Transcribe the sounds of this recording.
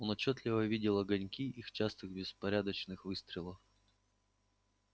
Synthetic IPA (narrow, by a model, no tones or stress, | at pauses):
onɐt͡ɕːot̪lʲɪvəvʲidʲɪlˠɐɡɐnʲkʲiʔixt͡ɕast̪ɨxbʲɪspɐɾʲad̪ət͡ɕnɨxvɨst̪ɾʲɪlˠəf